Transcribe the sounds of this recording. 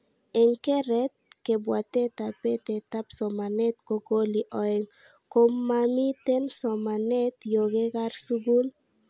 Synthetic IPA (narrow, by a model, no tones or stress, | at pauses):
eŋkeɾɛt̪̚kebwat̪et̪apet̪et̪apsɔmanɛt̪̚koɡoliʔɔeŋ | komːamit̪ensɔmanɛt̪joɡeɡaɾsuɡun